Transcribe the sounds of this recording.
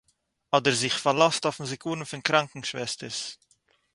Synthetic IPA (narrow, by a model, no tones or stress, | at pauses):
ɑːdəɾzɪxfalastaʊfmuzikʰuːnən̩fɪnkɾaŋkŋ̩ʃvɛstəɾs